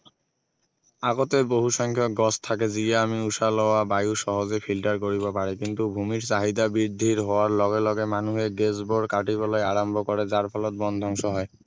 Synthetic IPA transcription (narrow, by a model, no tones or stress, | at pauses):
aɡot̪eboɦuʃɔŋkʰjok̚ɡɔst̪ʰak̬ed͡ʑieamiuʃalɔoabajuʃɔɦozepʰilʈaɾkoɾibɔpaɾikint̪ubʱumiɾt͡ɕaɦid̪abɾiɾd̪ʱːiɾɦɔwaɾlɔɡelɔɡemanuɦeɡesboɾkaʈibɔlɔjaɾambʱokɔɾed͡ʑaɾpʰɔlɔt̪̚bɔnd̪ʱɔŋʃɔɦɔe